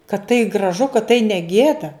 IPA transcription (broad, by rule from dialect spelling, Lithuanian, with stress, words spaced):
kɐt tɐɪ ɡrɐˈʒʊ kɐt tɐɪ nʲɛ ˈɡʲeːdɐ